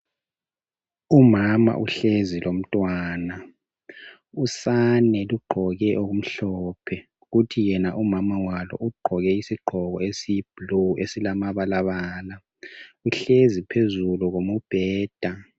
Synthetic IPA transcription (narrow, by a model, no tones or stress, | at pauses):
umama̰ʔuɬezilom̩tʼwaːna | usanɛluɡ͡ǃʱɔɣɛʔoɣum̩ɬɔːpʰɛ | ɣutʰijɛnaʔumamawalɔ̰ʔuɡ͡ǃʱɔɣɛisiɡ͡ǃʱɔɣɔesib̥luesilamaβalaβaːla | uɬezipʰezuluɣomub̥ʱɛːd̥ʱa